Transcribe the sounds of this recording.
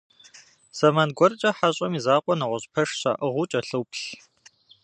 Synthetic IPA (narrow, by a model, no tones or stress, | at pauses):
sɐmɐnɡʷɔrt͡ʃʼɐħaɕʼɐmizaːqʷʼɔnɐʁʷʊɕʼpʰɐʂɕa̰ːʔɨʁʊt͡ʃʼɐɬɨwpɬ